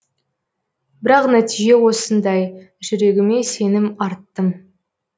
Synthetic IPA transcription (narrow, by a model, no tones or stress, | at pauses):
bɪɾɑqnæt̪iʒe̞wo̞sənd̪ɑj | ʒʏɾe̞ɡʲɪme̞se̞nɪmɑɾt̪ːəm